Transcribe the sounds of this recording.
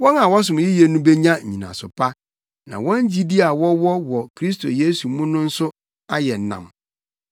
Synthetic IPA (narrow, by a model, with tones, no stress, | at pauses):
wɔ̃˦nã˨wɔ˦s̬ʊ̃˨m˨jɪ˦jɛ˨nũ˦be˦ɲã˦ɲ̩˨ɲḭ̃˨nã̰˨sʊ̰˨pʰa˦ | nã̰˨wɔ̃˦ɲd͡ʑi˦di˦a˨wɔ˦wɔ˦wɔ˨kʰɾi˦s̬tʰo̰˨je˦su˨˦mũ˦nʊ̃˦n̩˦sʊ˦ | a˦jɛ˨nã̰˨m